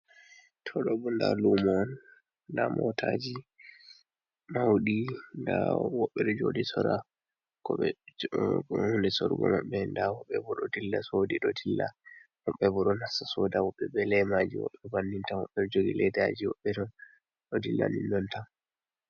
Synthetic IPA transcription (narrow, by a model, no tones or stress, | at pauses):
tʰɔɗɔbɔnda̰lumɔn | damʔɔtʰad͡ʒi | mawɗindawɔɓːɛɗɔd͡ʒodisɔɾa | kɔɓɛ | hundɛsɔɾɡɔ̰maɓːɛndawɔɓːɛbɔɗɔdilːasodiɗɔdilːahɔɓːɛbɔɗɔnasasɔdawɔɓːɛɓɛlɛmad͡ʒiwɔ̰ɓːɛbanːintawɔɓːɛd͡ʒoɡilɛdad͡ʒiwɔɓːɛɗɔn | ɗɔdilːa̰nindɔnta